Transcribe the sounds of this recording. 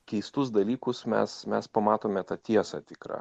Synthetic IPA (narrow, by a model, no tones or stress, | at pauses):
kʲɛɪst̪ʊs̬d̪ɐlʲiːkʊsmʲɛ̰smʲɛspɐmɑːt̪oːmʲɛt̪ɑt̪ʲiɛsɑ̰t̪ʲɪkɾɑ̰ː